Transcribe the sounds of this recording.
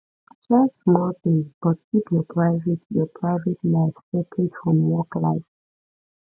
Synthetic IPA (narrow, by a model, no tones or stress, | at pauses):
t͡ʃasmɔlθĩŋsb̥ɔtkʰipjɔpʰɹaɪvɛtjɔpʰɹaɪvɛtlaɪfstɛkʰidfɹɔ̃mwɔklaɪf